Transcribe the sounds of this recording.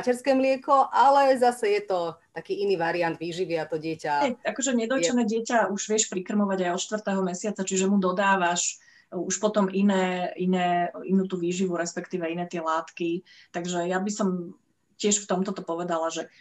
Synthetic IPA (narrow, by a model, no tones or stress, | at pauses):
cɛɾskɛːmlɪɛkɔʔalɛzasɛjɛt̪ɔt̪akiːiniːʋaɾiand̪ʋiːʒiʋɪat̪ɔɟɪɛcaɲɛakɔʒɛɲɛd̪ɔt͡ʃɛnɛːɟɪɛcauʒʋɛʃpɾikr̩mɔʋaɟajɔt̪ʃt̪ʋr̩t̪ɛːɦɔmɛsɪat͡sat͡ʃiʒɛmud̪ɔd̪aːʋaʃ | uʃpɔt̪ɔmʔinɛːinɛːinuːt̪uːʋiːʒiʋuɾɛspɛkt̪iːʋɛinɛːt̪ɪɛlaːt̪kit̪aɡʒɛjabisɔm | cɪɛʃft̪ɔmt̪ɔt̪ɔpɔʋɛd̪alaʒɛ